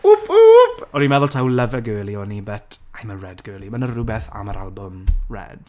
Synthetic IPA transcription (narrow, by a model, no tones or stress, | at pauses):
ʊpupʰɔnimɛðʊlˠtʰawləvɛɡøːlˠiɔnibətʰajmərɛdɡ̥øːlˠimanərʊbɛθa̰maɾa̰lˠbʊmrɛ̰d̥